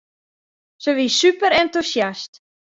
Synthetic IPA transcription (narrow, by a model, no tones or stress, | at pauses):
səʋisypəɾɛntusjast